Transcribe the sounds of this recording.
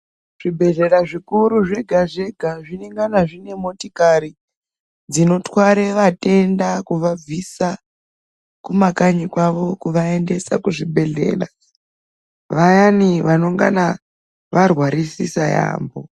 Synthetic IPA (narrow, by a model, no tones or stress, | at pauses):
ʐ̥ibʱe̞ɮe̞ɾaʐikuɾuʐe̞ɡʱaʐe̞ɡʱaʐineŋɡanaʐine̞mo̞tikaɾi | d͡zino̞twaɾeʋate̞ndakuʋab͡visa | kumakaɲikwaʋo̞kuʋae̞nde̞sa̰kuʐibʱe̞ɮe̞̰ːra̰ | ʋajaniʋano̞ŋɡa̰na | ʋarwaɾisisaja̰ːmbo̞̰